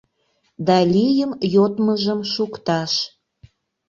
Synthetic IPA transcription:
d̪ɑlʲijəmjot̪məʒəmʃukt̪ɑʃ

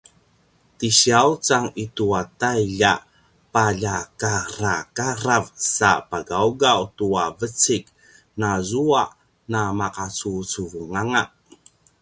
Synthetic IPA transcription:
tiɕiaut͡saŋituatajɮa | paɮakaɾakaɾavsa̰paɡauɡautuavət͡sik | nazuaʔ | namakat͡sut͡suvuŋaŋaʔ

